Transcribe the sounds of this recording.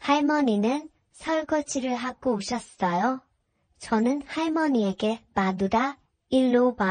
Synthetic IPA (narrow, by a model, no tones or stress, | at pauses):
haɭmʌninɯn | sʰauɭɡ͈ʌt͡ɕʰiɾɯɭɦak͈ouɕ͈ʰʌs͈ʌjo | t͡ɕʌnɯnhaɭmʌɲie̞ɡe̞maduda | iɭːoma